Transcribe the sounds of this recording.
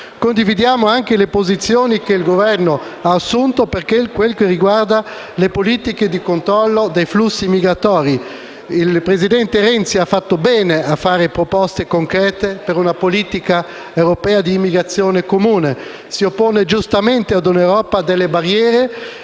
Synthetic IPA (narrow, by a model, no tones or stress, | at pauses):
kond̪ivid̪jaːmoaŋk̟elepozit̪sːjoːnikeilɡovɛrno | aːsːunt̪operkekwelkeriɡward̪a | lepoliːt̪iked̪ikont̪ɾɔlːod̪ejflusːimiɡɾat̪ɔːɾi | ilpɾezid̪ɛnt̪eɾɛnt̪siafːat̪ːobɛːneafːaːɾepɾopɔst̪ekoŋkɾɛːt̪epeɾunapoliːt̪ika | ewɾopɛːad̪iːmːiɡɾat̪sːjoːnekomuːne | siopːoːned͡ʒust̪ament̪ead̪unewɾɔːpad̪elːebarːjɛːɾe